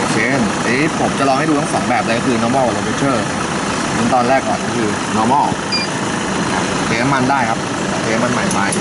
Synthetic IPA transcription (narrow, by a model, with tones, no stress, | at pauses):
kʰeː˧˥˩nʔe˦˥pʰo˩˦mt͡ɕa˨lɔː˧ŋha˥˩jduː˧a˥ŋsɔ̰ː˩˦ŋbɛː˨˩p̚la˧kɔː˥˧kʰɯː˧nɔː˧mɔː˥˩ʔa˧lo˧pʰe˧˥t͡ɕʰɤː˥˩ | sɯ˦˥ŋt̪ɔː˧nɾɛː˥˩kːɔː˨˩nkɔː˥˩kʰɯː˧ | nɔː˧˥mɔː˥˩ | a˧˩ | kʰeː˧˥˧ma˥˩ndaː˥˩jkʰa˦˥p̚ɔː˨˧˩sʰeː˧˥˩ma˥˩nma˧˩nma˧j